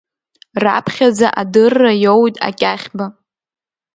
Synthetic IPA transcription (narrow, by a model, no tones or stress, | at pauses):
ra̰pʰχʲad͡zaʔadɨrːajowtʼa̰kʲʼaχʲba